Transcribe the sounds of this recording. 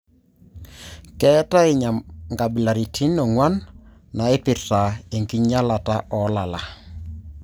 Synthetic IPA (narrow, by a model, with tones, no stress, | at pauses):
kɛ˦ta˦ɪ˨ɲa˨mŋɡa˨bi˨la˨ɾi˨tʰi˦nɔ˨ŋwa˦nː | a˨ɪ˦pɪ˨rta˨e˨ŋki˦ɲa˦la˨ta˦ʔɔ˨la˨la˨